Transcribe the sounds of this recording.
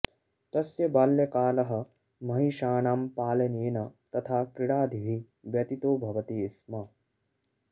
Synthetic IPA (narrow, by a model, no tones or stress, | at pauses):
t̪ɐsjɐbaːljɐkaːlɐɦɐ̆ | mɐɦiʃaːnaːmpaːlɐneːnɐt̪ɐt̪ʰaːkɾiɽaːd̪ʱiʋʱi | ʋjɐt̪it̪oːbʱɐʋɐt̪iːsmɐ